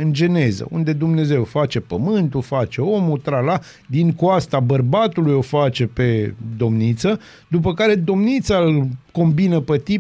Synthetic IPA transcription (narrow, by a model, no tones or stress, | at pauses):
ɨnd͡ʒe̞ne̞zə̰und̪e̞d̪umne̞ze̞wfat͡ʃe̞pəmɨnt̪ufat͡ʃe̞o̞mut̪ɾala | d̪iŋkwast̪abərbat̪ulujo̞fat͡ʃe̞pe̞d̪o̞mnit̪sə | d̪up̬əkaɾe̞d̪o̞mnit̪salko̞mbinəpet̪i